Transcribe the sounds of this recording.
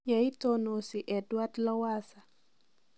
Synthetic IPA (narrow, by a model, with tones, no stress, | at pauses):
ja˨i˦tono˨si˨ʔɛ˨dwa˦tlɔ˦wasa˨